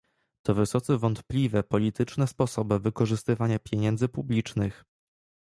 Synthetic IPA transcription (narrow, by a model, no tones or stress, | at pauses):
t̪ɔvɘsɔt̪sɛvɔnt̪plʲivɛpɔlʲit̪ɘt͡ʂnɛspɔsɔbɘvɘkɔʐɘst̪ɘvaɲapʲjeɲɛnd̪zɘpublʲit͡ʂnɘx